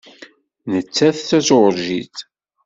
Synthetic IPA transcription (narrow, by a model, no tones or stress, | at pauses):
nət͡sːæθθæt͡sɾʒḭt͡s